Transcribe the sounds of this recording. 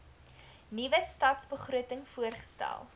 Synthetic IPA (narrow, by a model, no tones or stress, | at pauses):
nivəstɐtsbəχruətəŋfuərχə̥stæ̰lˠ